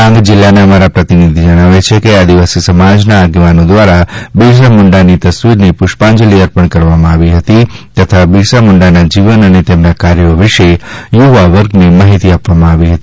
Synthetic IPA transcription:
ãŋɡd͡ʒɪlːaneəmaɾapɾət̪inid̪ʱid͡ʒəɽ̃aʋet͡ʃʰekead̪iʋasisəmad͡ʒnaːɡeʋanõd̪ʋaɾabiʃ̬amʊɳɖanit̪əsʋiɾnipʊʃpãɲd͡ʒəliəɾpəɳkəɾʋamãaʋiɦət̪it̪ət̪ʰabisamʊɳɖanad͡ʒiʋənənet̪emnakaɾjoʋɪʃejuʋaʋəɾɡnemaɦit̪iapʋamãaʋiɦət̪i̥

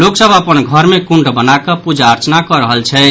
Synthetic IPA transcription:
loksəbəpənɡʱəɾmekuɳɖbənakəpud͡ʒaəɾt͡ʃnakɔɾəɦəlt͡ʃʰɛ

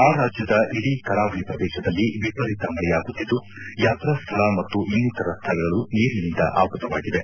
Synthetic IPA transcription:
aːɾaːd͡ʒjɐd̪ɐʔiɽikɐɾaːʋɐɭipɾɐd̪ɛːʃɐd̪ɐlːiʋipɐɾit̪ɐmɐɭɛjaːɡut̪ːid̪ːu | jaːt̪ɾɐst̪ʰɐɭɐmɐt̪ːuinːit̪ɐɾɐst̪ʰɐlɐɡɐɭuniːɾinind̪ɐ̰ʔa̰ːʋkɾɐt̪ɐʋaːɡid̪e̞

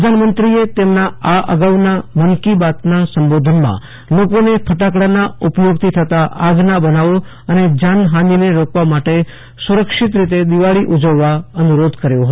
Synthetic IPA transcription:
pɾəd̪ʱanmənt̪ɾiet̪emnaaʔə̰ɡaʋnamənkibat̪nasəmbod̪ʱənmã̰ | lokonepʰəʈakɽanaupjoɡt̪ʰit̪ʰət̪aʔaɡnabənaʋo | əned͡ʒanɦãnineɾokʋamaʈe | suɾəkʃɪt̪ɾit̪ed̪iʋaɭiʔud͡ʒəʋːaənuɾod̪ʱkəɾjoɦ

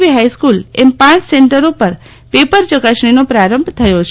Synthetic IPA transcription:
ʋiɦajskulempãt͡ʃseɳʈəɾopəɾ | pepəɾt͡ʃəɡaʃɳ̃inopɾaɾəmbʱt̪ʰəjot͡ʃʰ

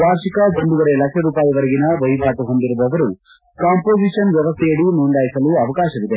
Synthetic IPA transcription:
baːɾʃikɐʋoɳɖuʋɐɾelɐkʂɐɾuːpaːjɐʋɐɾɐɡinɐʋɐjbʱaːʈuɦo̞nd̪iɾubɐʋɐɾu | kaːmpoːd͡ʒiːʂɐnʋjɛʋɐst̪ʰɛjɐɭinuːɳɖaːjisɐluɐʋɐkaːʃɐʋid̪e̞

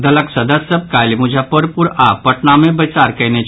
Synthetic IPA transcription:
d̪ɐləksɐd̪əsəb̚kaːlimʊd͡ʒʱapəɾpʊɾaːɐʈnamẽbɐt͡ʃaːɾkɛne

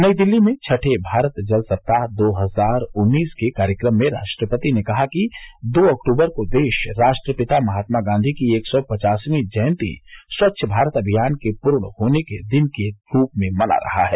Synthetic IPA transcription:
nəid̪ɪlːimẽt͡ʃʰɐʈʰebʱaːɾət̪d͡ʒɐlsɐp̚t̪ad̪oːɦəzaːɾʊnːiːskekaːɾjəkɾəmːẽɾa̰ːʃʈɾəpət̪inekɐɦakid̪oːɐkʈuːbəɾkod̪eːʃɾaːʃʈɾəpɪt̪amɐɦaːt̪maɡãːnd̪ʱikieːksɔpɐt͡ʃaːsmẽd͡ʒəːnt̪ḭswɐtːʃʰəbʱaːɾət̪ɐbʱijaːnkepʊɾɳ̃hoːneked̪ɪnkeɾuːpmẽmɐna̰ɾɐ̰ɦa̰ɦɛː

